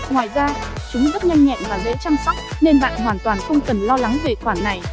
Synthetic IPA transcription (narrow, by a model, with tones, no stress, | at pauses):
ŋwaː˨˩jzaː˧t͡ɕʊ˨˦ŋ͡mzə˦˥t̚ɲa˧jŋŋɛ̰˧˨nvaː˨˩lḛ˧˥t͡ɕa˧ŋsa˦˥k͡p̚ne˧nɓa̰ː˧˨nɦwaː˨˩nt̪waː˨˩nxə˧wŋ͡mkə˨˩nlɔ˧la˨˦ŋve˨˩xwaː˧˩nːa˨˩j